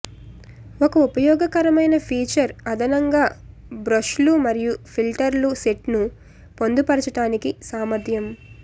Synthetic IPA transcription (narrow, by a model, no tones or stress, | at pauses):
ɔkɐupɐjɔːɡɐkɐɾɐmɐjnɐpʰiːt͡ʃɐɾɐd̪ʱɐnɐŋɡaː | bɾɐʃlumɐɾijupʰilʈɐɾluseʈnu | po̞nd̪upɐɾɐt͡ʃɐʈaːnikisaːmɐɾd̪ʰʱjɐm